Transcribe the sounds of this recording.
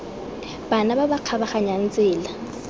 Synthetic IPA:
b̥anababaq͡χʰabaχaɲan̩t͡sʼɪːla

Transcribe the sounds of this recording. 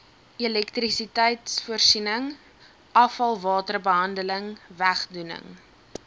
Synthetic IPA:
ilɛktrisitəjtsfuərsinəŋ | ʔɐfɐlˠvɑːtərbəɦɐndələŋvæχdunə̰ŋ

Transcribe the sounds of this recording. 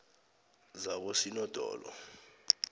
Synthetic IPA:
zak̬osinɔd̥ʱɔ̰ːlɔ̰

